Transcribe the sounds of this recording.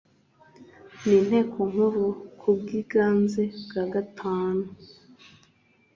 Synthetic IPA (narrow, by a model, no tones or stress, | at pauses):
nin̥he̞ːkʰoŋ̥huɾukʰub̚ɡiɡaːnze̞bɡaɡatʰaːnu